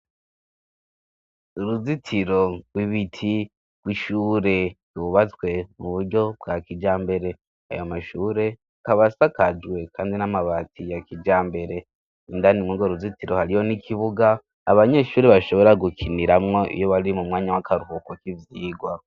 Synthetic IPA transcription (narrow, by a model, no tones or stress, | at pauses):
uɾuzitʰiɾo̞ɡwiβitʰi | ɡ̥wiʃuːɾe̞ɾuβat͡swe̞muβuɾɟo̞b̚ɡakid͡ʒaːmbe̞ɾe̞ | a̰jomaʃuːɾe̞ | kaβasakad͡ʒwe̞kʰaːndinamaβatʰijakid͡ʒaːmbe̞ɾe̞ | indanimŋuɡoɾuzitiɾo̞haɾijo̞nikʰiβuɡaː | βaɲe̞ʃuːɾeβaʃo̞βo̞ɾaɡukʰiniɾamŋo̞ʔḭjo̞βaɾimumŋaːɲawakʰaɾuhukokivjiːɡwa